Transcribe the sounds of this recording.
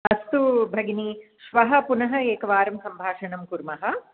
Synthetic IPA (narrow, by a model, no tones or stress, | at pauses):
ɐst̪ubʱɐɡiniʃʋɐɦɐ̆punɐɦɐeːkɐʋaːɾɐmsɐmbʱaːʂɐɳɐmkuɾmɐɦɐ